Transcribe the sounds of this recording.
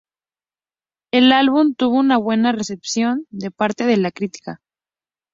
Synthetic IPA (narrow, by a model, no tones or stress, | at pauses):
e̞lalβ̞umt̪uβ̞o̞unaβ̞we̞nare̞se̞psjo̞nd̪e̞paɾt̪e̞ð̞e̞lakɾit̪i̥ka